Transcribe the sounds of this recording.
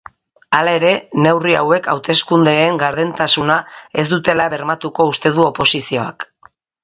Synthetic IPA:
alae̞ɾe̞ne̞wria̰we̞kawt̪e̞skund̪e̞ːŋɡaɾðent̪asunae̞zd̪ut̪e̞laβe̞ɾmat̪uko̞ust̪e̞ð̞uo̞po̞sisio̞a̰k

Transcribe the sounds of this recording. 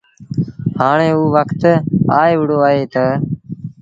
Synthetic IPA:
haːɳeːuːʋəkʰt̪aːeːʋɪɽoːaːɦeːt̪əː

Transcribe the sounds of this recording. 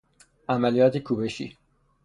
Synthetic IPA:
amaliat̪ʰikʰubɛʃḭ

